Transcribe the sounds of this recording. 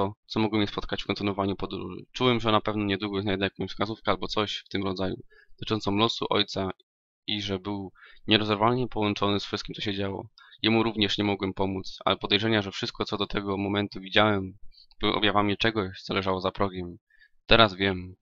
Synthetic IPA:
ɔt̪sɔmɔɡwɛmɲɛspɔt̪̚kat͡ɕfkɔ̃nt̪ɘnwɔvaɲupɔd̪ɾṵʐɨ̰t͡ʂuwɛmʐɛnapɛvnɔɲɛd̪wuɡɔjɛsaɛd̪ajakɔ̃fskazufkɛalbɔt̪sɔɕft̪ɘmɾɔd̪zajṵ̥ | t̪ɨt͡ʂɔnt̪sɔmlɔsṵʔɔ̰jt̪sa | iʐɛbɘwɲɛɾɔzɛɾvalɲɛpɔwɔnt͡ʂɔnɘsfʂɘst̪̚kʲimtsɔɕɛd͡ʑawɔ̰jɛmuɾuvɲɛʂɲɛmɔɡwɛmpɔmut̪sa̰lɛpɔd̪ɛjʐɛɲaʐɛfʂɘst̪̚kɔt̪sɔd̪ɔt̪ʰɛɡɔmɔmɛnt̪uvʲid͡ʑawɛm | bɔ̰bjavamit͡ʂɛɡɔɕt̪sɔlɛʐawɔzapɾɔɡɛm | t̪ɛɾazvʲjɛm

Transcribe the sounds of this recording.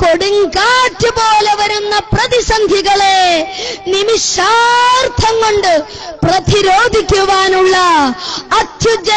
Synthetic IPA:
ko̞ɽuŋɡaːʈːɨpo̞ːle̞ʋɐɾunːɐprɐðisɐŋɡʱjiɣɐɭenimiʂart̪ʰɐŋkoɳɖɨ | prɐt̪iɾoːd̪ʱikʲːuʋaːnuɭːɐː | t̪jud͡ʑɐ

